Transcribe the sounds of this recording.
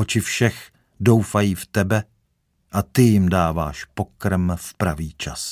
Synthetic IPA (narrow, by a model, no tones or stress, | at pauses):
ot͡ʃɪfʃɛx | do̞wfajiːft̪ɛbɛ | ʔat̪ɪjɪmdaːva̰ːʃpo̞kɾmfpɾaviːt͡ʃa̰s